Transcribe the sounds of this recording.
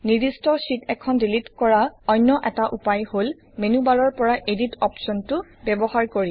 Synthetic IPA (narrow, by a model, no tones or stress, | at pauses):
nidistɔsitɛkʰɔndilitkɔɹaɔjnːɔʔɛtaʔupajhol | menubalɔɹpɔɹaʔeditɔpsɔntʊbɛbɔhaɹkoɹi